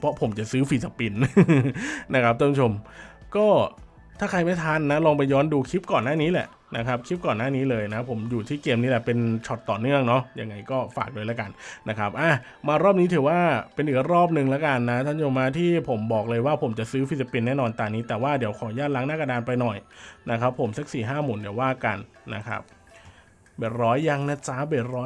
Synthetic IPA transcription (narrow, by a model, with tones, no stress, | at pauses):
pʰɾɔ˦˥pʰo˨˩˦mt͡ɕa˨˩ʔsɯː˦˥fi˧sa˧pi˧n | na˦˥kʰa˦˥p̚t̪ʰo˥˩t͡ɕʰo˧mkɔː˥˩ | t̪ʰaː˥˩kʰa˧jma˥˩jt̪ʰaː˧˥˨nːa˦˥lɔː˧ŋpa˧jːɔː˦˥nduː˧kʰi˦˥p̚kɔː˨˩nːaː˥˩niː˦˥lɛ̰˨˩ʔ | na˦˥kʰɾa˦˥p̚kʰi˦˥p̚kɔː˨˩nːaː˥˩niː˦˥lɤː˧jna˦˥pʰo˩˦mjuː˨˩t̪ʰiː˥˩keː˧mniː˦˥lɛ˨˩pe˧nt͡ɕʰɔ˨˩t̪ːɔː˨˩nɯ˥˩əŋnɔ˦˥ja˧ŋːa˧jkɔː˥˩fa̰ː˨˩k̚lɤː˧jlɛ˦˥ka˧nna˦˥kʰa˦˥p̚ʔaː˧˩ | maː˧ɾɔː˥˩p̚niː˦˥t̪ʰɯː˩˦waː˥˩pe˧nʔiː˨˩k̚ɾɔː˥˩p̚nɯ˨˩ŋlɛ˦˥ka˧nːa˦˥t̪ʰa˥˩njo˨˩maː˧t̪ʰiː˥˩pʰo˩˦mbɔː˨˩k̚lɤː˧jwaː˥˩pʰo˨˩˦mt͡ɕa˨˩ʔsɯː˦˥fʰi˧˦˥sa˧pi˧nːɛː˥˩nɔː˧nt̪aː˧niː˦˥t̪ɛː˨˩waː˥˩di˨˩˦əwkʰɔː˩˦jaː˥˩t̪̚la˦˥ŋnaː˥˩ka˧daː˧npa˧jnɔ˨˩jna˦˥kʰɾa˦˥pʰːo˩˦msa˧˦˥k̚siː˨˩ɦaː˥˩muː˨˩˦ndi˩˦əwaː˥˩ka̰˧nːa̰˦˥kʰɾa̰˦˥p̚ | beː˨˩t̪̚ɾɔː˦˥jːa˧ŋna˦˧˥t͡ɕaː˦˥beː˨˩t̪̚ɾɔː˦˥